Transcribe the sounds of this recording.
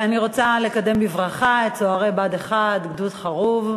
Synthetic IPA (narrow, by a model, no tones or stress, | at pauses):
aniʁo̞t͡sale̞kade̞mbivʁaχaett͡soaʁebad̪eχad̪ɡdutχaʁuv